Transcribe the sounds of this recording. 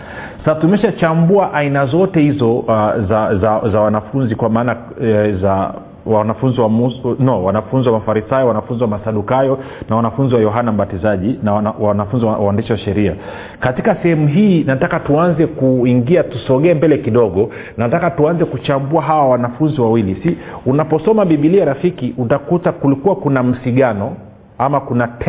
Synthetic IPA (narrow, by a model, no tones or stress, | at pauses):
saatumɛʃat͡ʃambuaʔainazɔtɛhizɔzazazawanafunzikwamaːna | za | wanafunziwamunɔwanafunziwamafaɾisajɔwanafunziwamasaɗukajɔ | nawanafunziwajɔɦanam̩ɓatizaʄinawanafunziwwawandiʃiwaʃɛɾia̰ | katikasɛhɛmuɦiːnatakatuanzɛkuiŋɡiatusɔɠɛːmbɛlɛkiɗɔɠɔ | natakatuanzɛkut͡ʃambuaɦawawanafunziwawilisiunapɔsɔmaɓiɓiliaɾafikiʔutakutakulikuwakunam̩siɠanɔ | amakunat